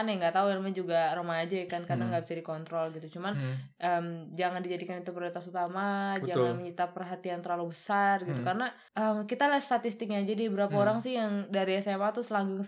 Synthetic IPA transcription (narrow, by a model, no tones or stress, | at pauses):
anjaŋɡat̪aualmad͡ʒuɡarəmaːd͡ʒajɛkankardaŋɡabət͡ʃadikɔnt̪ɾɔlɡit̪ut͡ʃumanʔəmd͡ʒaŋandid͡ʒadikanit̪upərit̪asut̪amad͡ʒaŋanməɲit̪apərɦat̪iant̪əɾlalubəsarɡit̪ukarna | ʔəmkit̪alast̪at̪ist̪ɪk̚ɲad͡ʒadibəɾapaoɾaŋsɪhjaŋdaɾiasaamaat̪usəlaɡuŋ